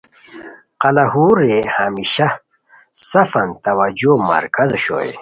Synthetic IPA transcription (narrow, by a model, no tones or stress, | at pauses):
qɐlɐhuɾehamiɕa | sɐfɐnt̪ɐwɐd͡ʑomɐ̰ɾkɐzɕo̰ːjḛ